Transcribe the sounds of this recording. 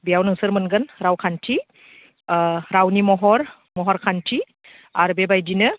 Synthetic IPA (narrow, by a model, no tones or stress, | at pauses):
bijawnɯŋsɯɾmɯnɡɯnɾawkʰantʰi | ɾawnimɔɦɔɾ | mɔɦɔɾkʰantʰi | aɾbebajdinɯ